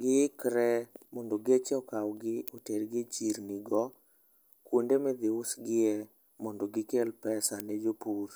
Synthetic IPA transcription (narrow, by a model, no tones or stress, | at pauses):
ɡɪkɾɛmɔndoɡet͡ʃɛɔkawɡɪɔteɾɡɪt͡ʃiɾnɪɡɔ | kwondemɛd̪ɪʊsɡɪɛ | mɔndoɡɪkelpɛsanɛd͡ʒopuɾ